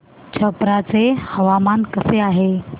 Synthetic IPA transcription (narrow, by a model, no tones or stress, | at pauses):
t͡ɕʰəpɾat͡sehəʋamankəseaɦe